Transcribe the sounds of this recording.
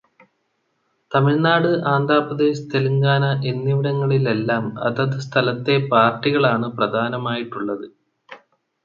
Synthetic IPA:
t̪ɐmiɻnaːɽɨʔaːnd̪ʱaːprɐd̪eːɕt̪ʰeluŋɡaːnɐʔe̞nːiʋiɽɐŋːɐɭile̞lːaːmɐ̰ðɐðɨst̪ʰɐlɐt̪ːe̞paːrʈːiɣɐɭaːɳɨprɐd̪ʱaːnɐmaːjiʈːuɭːɐðɨ

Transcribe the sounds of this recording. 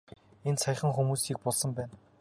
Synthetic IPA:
ensʰæj̆χə̆ŋxumuːsiːk̚pɔɮsə̆mpæːn

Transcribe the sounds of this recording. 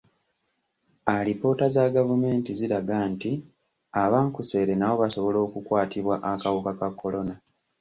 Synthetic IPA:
aɾipo̞ːtazaɡavume̞ːntiziɾaɡanti | aβaːŋkuse̞ːɾe̞nawo̞βaso̞βo̞lo̞ːkukwaːtʰiβwaʔakawukakakʰːo̞lo̞na

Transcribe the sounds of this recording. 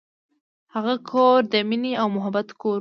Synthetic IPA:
haɣakʰoɾd̪əmineawmʊɦabat̪koɾ

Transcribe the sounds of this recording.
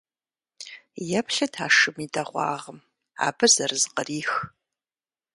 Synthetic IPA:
jɛpʰɬɐdʰaːʂɨmidɐʁʷɑ̰ːʁəm | a̰ːbɨzɐrɨzqəriːx

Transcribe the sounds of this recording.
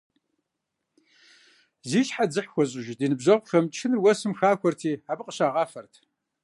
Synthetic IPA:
ziːɕħad͡zɨħxʷɔɕ̬ʼɪʒdiːnɨbʑɐʁʷʼxɐmt͡ʃʰɨnrwɐsɨmxaːxʷʰɔrtʰiːaːbɨqʼəɕaːʁɑːfɐrtʰ

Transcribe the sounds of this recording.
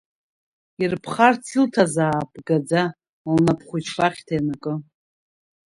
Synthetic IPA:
irpʰχart͡sʰɨltʰazaːpʼɡad͡za | lnapʰχʷʊt͡ʃʰfʼaχʲtʰajnakʼɨ

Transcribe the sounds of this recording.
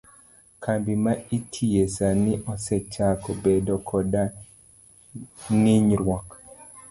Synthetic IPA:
kʰambimaitʰijesanɪʔɔsɛt͡ʃakɔbedɔkʰɔda | ŋiɲɾwɔk

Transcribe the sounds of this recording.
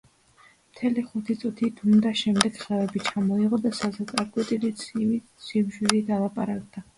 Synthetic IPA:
mt̪ʰɛliχut̪ʰit̪sʼut̪ʰit̪ʰumd̪aʃɛmd̪ɛɡχɛvɛbit͡ʃʰamɔiʁɔd̪asazɛt̪sʼaɾkʼwɛt̪ʼilisʼivi | simʒizid̪alˠapʼaɾakʼd̪̥a

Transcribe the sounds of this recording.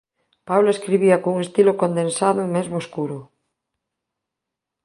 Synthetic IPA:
pawlaeskɾiβ̞iakouŋest̪ilokond̪ensaðomezmoskuɾo

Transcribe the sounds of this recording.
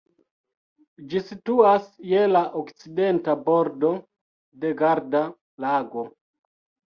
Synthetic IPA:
d͡ʒisituasjelaʔokt͡side̞ntaboɾdo̞ | de̞ɡaɾda | laɡo̞

